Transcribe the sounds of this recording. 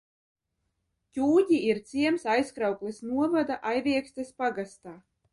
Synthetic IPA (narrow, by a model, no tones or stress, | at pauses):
cʲuːɟ̪ʲiiɾt̪siɛmsajskɾawklˠisnuɔvad̪aʔajviɛksʲt̪aspaɡast̪aː